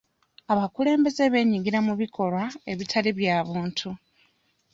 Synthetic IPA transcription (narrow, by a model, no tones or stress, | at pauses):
aβakule̞ːmbe̞zeβe̞ːɲiɡiɾamuβikʰo̞lwae̞βitʰaliβjaːβuːntʰu